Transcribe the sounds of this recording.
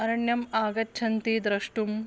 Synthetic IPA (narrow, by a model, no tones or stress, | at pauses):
ɐɾɐɳjɐmaːɡɐtːt͡ʃʰɐnt̪iːd̪ɾɐʂʈum